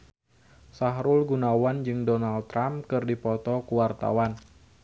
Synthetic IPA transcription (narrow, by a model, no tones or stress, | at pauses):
saɦɾʊlɡunawand͡ʒɨŋdɔnalt̪ːɾamkɨrdipɔt̪ɔkuwart̪a̰wan